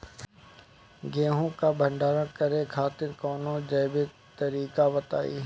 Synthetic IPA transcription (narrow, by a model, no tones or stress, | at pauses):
ɡẽːɦõkaːbʱə̃ɳɖaːɾãkɐɾekʰaːt̪ɪɾkɔːnõd͡ʒɐːbɪ | t̪ɐɾiːkaʋɐt̪a̰ːḭː